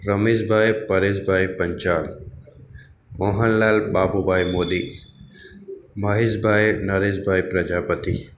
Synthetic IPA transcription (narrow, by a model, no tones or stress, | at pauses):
ɾɐmizbʱaːjpɐɾeːzbʱaːjpɐɲt͡ʃaːl | moːɦɐnlaːlbaːbubʱaːjmoːd̪i | mɐɦizbʱaːjnɐɾeːzbʱaːjpɾɐd͡ʒaːpət̪i